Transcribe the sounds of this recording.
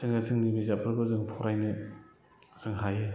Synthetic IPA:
ɯŋatʰɯŋnibizapʰɯɾbɯzɯŋpʰɔɾajnɯ | zɯŋɦajɯ

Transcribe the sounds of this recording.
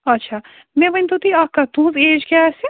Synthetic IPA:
ɐtːʃʰaː | mɛ̃ʋɐnt̪ut̪iakːat̪ũzeːd͡ʒkjaɛːse

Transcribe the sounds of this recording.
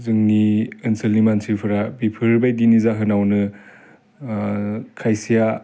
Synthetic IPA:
zɯŋniɯnsʰɯlnimansʰipʰɯɾabipʰɯɾbajdinizaɦɯnawnɯ | kʰajsija

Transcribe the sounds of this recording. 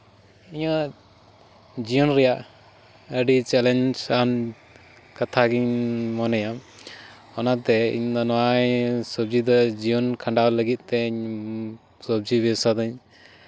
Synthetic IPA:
iɲa | d͡ʒijɔnɾɛjaʔ | əɖit͡ʃɛlɛnd͡ʒan | kat̪ʰaɡiɲmɔnɛjam | ɔnat̪ɛḭɲd̪ɔnɔwajsəb̚d͡ʒid̪ɔd͡ʒijɔnkʰaɳɖawləɡit̪̚ˀt̪ɛiɲ | səb̚d͡ʒibɛsad̪əɲ

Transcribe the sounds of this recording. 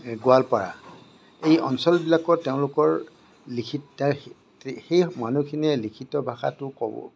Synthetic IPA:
ɡʊalpaɹa̰ | ejɔ̰nsɔlbilakɔteʊ̃lʊkɔɹ | likʰitt | xejmanukʰinɛlikʰitɔbʱaxa̰tʊkɔbɔ̰

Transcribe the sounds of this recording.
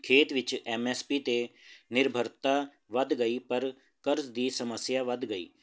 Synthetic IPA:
kʰeːt̪ʋɪt͡ʃɛːmɛːspiːt̪eːnɪɾbʱəɾt̪aː | ʋəd̪ɡəiːpəɾ | kəɾzd̪iːsəməsjaːʋəd̪ɡəḭː

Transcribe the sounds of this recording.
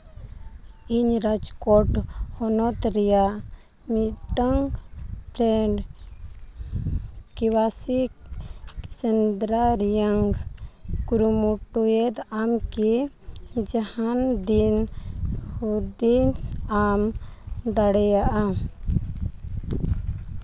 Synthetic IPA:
iɲɾad͡ʒkɔʈhɔnɔt̪ɾɛjaʔ | miʈəŋpɾɛɖ | kiwasik | sɛnd̪ɾaɾjaŋɡ | kuɾumuʈujɛt̪amki | d͡ʒahand̪in | ud̪insamd̪aɽɛjaʔa

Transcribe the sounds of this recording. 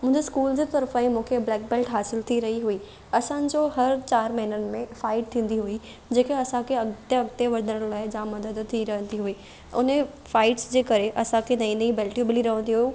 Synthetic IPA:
mʊ̃ɦɪ̃ɲd͡ʑeskuːld͡ʑit̪ɐɾfaĩmũːkʰeblɛːk̚beːlʈɦaːsɪlt̪ʰiɾɐɦiɦuiː | ɐsãd͡ʑoːɦɐɾt͡ɕaːɾmɐɦɪnənɪ̆mẽfaːɪʈ̚t̪ʰĩːn̆d̪iɦui | d͡ʑeːkeɐsãkʰeɐɡt̪jɐɡt̪eʋɐɾd̪ʱəɽəɽ̃laːɪd͡ʑãmɐd̪əd̪əd̪̚t̪ʰiɾɐɦə̃nd̪iɦuiː | ʊ̰ne | faːɪʈsd͡ʑeːkɐɾeʔɐsãkʰenɐĩnɐĩbeːlʈibɪliɾɐɦə̃nd̪iɦuju

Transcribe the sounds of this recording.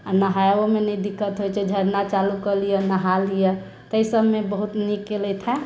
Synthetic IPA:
ənəɦaomenəĩd̪ikʰːət̪ɦojt͡ʃʰɛd͡ʒʱəɾnat͡ʃalukəlijənəɦalijə | t̪əjsəbmebəɦut̪nikːelɛt̪ʰɛ

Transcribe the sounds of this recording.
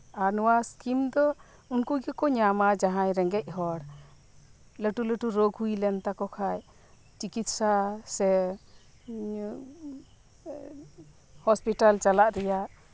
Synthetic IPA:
aɾnɔwaskimd̪ɔ | unkuɡɛkɔɲamad͡ʒaɦajɾɛŋɡɛc̚ɦɔɽ | ləʈuləʈuɾoɡɦujlɛnt̪akɔkʰaj | t͡ʃikit̪̚sasɛ | hɔspiʈalt͡ʃalaʔɾɛjaʔ

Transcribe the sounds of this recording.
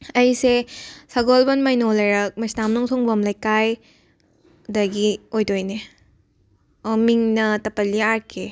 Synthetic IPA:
ɐjsesɐɡolbɐnmɐjnolɐɾɐk̚mɐsnamnuŋsʰɔŋbɐmlɐjkaj | dɐɡiojdojne | ɔmiŋnɐtɐpɐlːiaɾkʰe

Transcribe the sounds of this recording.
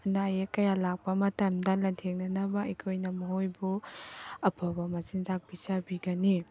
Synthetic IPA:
ɐnajekɐjalak̚pɐmɐtɐmdɐlɐntʰeŋnɐnɐbɐɐkʰojnɐmɐɦojbu | ɐpʰabɐmɐsintʰak̚b̥isabiɡɐni

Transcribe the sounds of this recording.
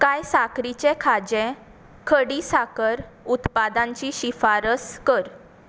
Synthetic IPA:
kajsakɾit͡ɕẽkʰad͡ʑɛ̃ | kʰəɽisakəɾut̪pad̪ãɲt͡ɕiɕifaɾəskəɾ

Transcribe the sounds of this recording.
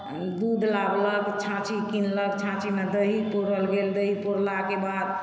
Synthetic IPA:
d̪ud̪ʱlabləɡt͡ʃʰãt͡ʃikinləɡt͡ʃʰãt͡ʃimed̪əɦipoɾəlɡeld̪əɦipoɾlakebad̪

